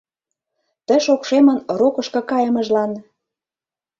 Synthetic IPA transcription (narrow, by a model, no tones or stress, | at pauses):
t̪ə̆ʃokʃemə̆nrokɤʃkɤ̆kɑjə̆mə̆ʒlɑn